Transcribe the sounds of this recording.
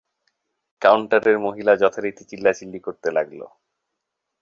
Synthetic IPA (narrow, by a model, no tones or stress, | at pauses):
kawɳʈaɾeɾmoɦilad͡ʑɔt̪ʰaɾit̪it͡ɕilːat͡ɕilːikoɾt̪elaɡlo̰